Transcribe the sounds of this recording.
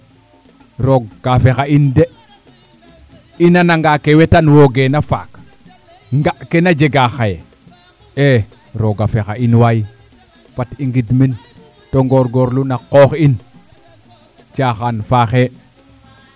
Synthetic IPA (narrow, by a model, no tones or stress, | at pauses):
ɾoɡɡafexainde | inanaŋɡakewetanwoɡenafa̰ːk | ŋɡaʔkenad͡ʒeɡaxaje | e | ɾoɡafexainwaji | fatiŋɡidmin | toŋɡoɾɡoɾlunaqoxin | t͡ʃaxanfaxe